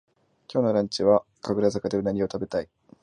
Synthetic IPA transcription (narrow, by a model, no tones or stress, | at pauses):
kʲo̞ːno̞ɾãɲt͡ɕiβa | kaɡɯɾazakad̪eɯnaɲ̟ʲio̞t̪abe̞t̪ai